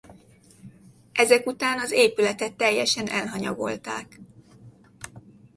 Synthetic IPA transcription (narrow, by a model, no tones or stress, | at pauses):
ʔɛzɛkut̪aːnɒzeːpylɛt̪ɛt̪ːɛjːɛʃɛnɛlɦɒɲɒɡo̞̰lt̪aːk